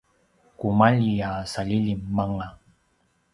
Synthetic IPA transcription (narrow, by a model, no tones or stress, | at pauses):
kumaʎiaːsalilimːaŋa